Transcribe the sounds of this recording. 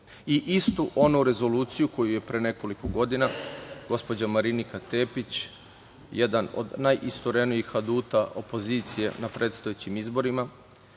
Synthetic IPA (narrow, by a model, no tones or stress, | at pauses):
iʔist̪uʔo̞nuɾe̞zo̞luːt̪sijuko̞juje̞pɾene̞ko̞likoɡo̞d̪inaɡ̥o̞spo̞d͡ʑamaɾinikat̪e̞ːpit͡ɕ | je̞d̪ano̞̰d̪najʔist̪oɾe̞nijixad̪uːt̪aʔo̞̰po̞ziːt̪sije̞̰napɾʔe̞t̪st̪ojet͡ɕimizbo̞ɾima